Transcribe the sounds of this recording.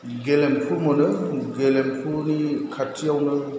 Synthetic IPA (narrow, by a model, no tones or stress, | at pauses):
ɡelemkʰuɾmɯnɯɡelempʰunikʰatʰːiawnɯ